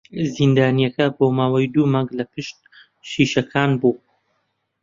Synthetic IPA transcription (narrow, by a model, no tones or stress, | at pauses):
zind̪aːnijɐkɐboːmaːwajd̪uːmaŋɡlɐpɨʃt̪̚ | ʃiʃɐkʰaːnbuː